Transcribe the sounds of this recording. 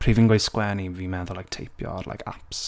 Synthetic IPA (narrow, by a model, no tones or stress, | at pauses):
pʰr̥iːviːnɡwejskwɛniviːmɛðʊlajk̚tʰejpʰjɔ̰rla̰jkʰa̰ps